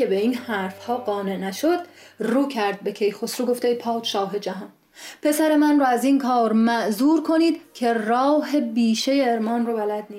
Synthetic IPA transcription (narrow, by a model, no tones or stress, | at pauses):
ebeiːnhæɾfhɒːɢɒːne̞ʔnæʃod̪̥ruːcʰæɾd̪̚be̞cʰejxosɾuɡo̞ft̪ejpʰɒːt͡ʃʃɒːɦe̞d͡ʒæɦɒːn | pʰe̞sæɾe̞mænrɔːæziːnkʰɒːɾmæʔzuːɾkʰo̞niːd̪cʰe̞rɒːɦe̞biːʃejeːɾmɒːnrobælæd̪̚niː